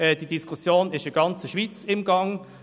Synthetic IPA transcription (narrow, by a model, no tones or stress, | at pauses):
ɛd̥idiskʰusjoːnɪʃəɡ̥ɑnt͡səʃʋiːt͡sɪmɡɑŋ